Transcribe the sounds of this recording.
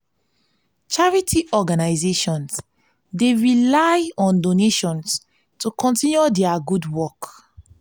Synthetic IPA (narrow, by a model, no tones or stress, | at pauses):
t͡ʃaɹitʰiʔɔɡanaɪzeʃɔ̃ns | deɹilaɪɔ̃ndoneʃɔ̃ns | tukʰɔ̃ntĩnjudɛaɡudwɔk